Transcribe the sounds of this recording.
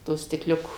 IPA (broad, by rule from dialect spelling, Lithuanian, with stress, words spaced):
ˈtoː sʲtʲɪkˈlʲʊkoː